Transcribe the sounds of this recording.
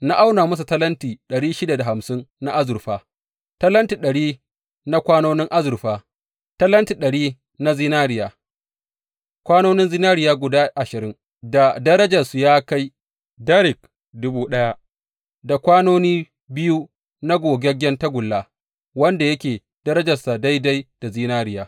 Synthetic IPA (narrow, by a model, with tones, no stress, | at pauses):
na˦ʔa˦wnaː˨mʊ˦s̬u˨tɐ˦lɐ˦ntiː˨ɗɐ˨ɽiː˦ʃɪ˦da˨da˨ɦa˨msɪ˦nna˦ʔa˦zʊ˨ɾɸaː˦ | tɐ˦lɐ˦ntiː˨ɗɐ˨ɽiː˦ | na˦kʷaː˦noː˦nɪ˦ŋʔa˦zʊ˨ɾɸaː˦ | tɐ˦lɐ˦nti˨ɗɐ˨ɽiː˦ | na˦zɪ˦naː˦ɾɪ˨jaː˨ | kʷaː˦noː˦nɪ˦nzɪ˦naː˦ɾɪ˦jaː˦ɡʷʊ˨daː˦ʔa˨ʃɪ˨ɾɪ˦ŋ | da˨dɐ˦ɾɐ˦d͡ʒɐ˨su˨jaː˦ka˦j | da˦ɾɪ˨k | dʊ˦buː˦ɗɐ˦ja˦ | da˨kʷaː˦noː˦niː˦ | bɪ˦ju˦ | na˦ɡʷoː˨ɡʲɛ˦ɡʲɛ˦nta˦ɡʷʊ˨lːaː˨ | wɐ˦nda˨jɐ˦kʲeː˨ | d̥ɐ˦ɾɐ˦d͡ʒɐ˨rsa˨da˦jda˦jd̥a˨ziː˦naː˦ɾɪ˨jaː˨